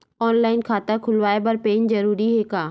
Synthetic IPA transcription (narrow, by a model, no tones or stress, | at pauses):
ɔːnlaːɪnkʰãːt̪akʰʊlʋaːebɐɾpeːnzɐɾuːɾiɦeːkaː